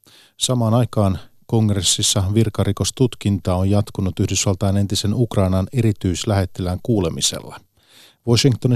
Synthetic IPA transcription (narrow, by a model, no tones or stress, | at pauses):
sɑmɑːnɑjkɑːnko̞ŋresːisːɑʋirkɑɾiko̞st̪ut̪kint̪ɑːojjɑt̪kunut̪yhdysʋɑlt̪ɑjne̞nt̪ise̞nukrɑinɑne̞ɾit̪yislæɦhe̞t̪ːelæŋkuːle̞mise̞̰lːɑ | ʋoʃiŋkt̪oni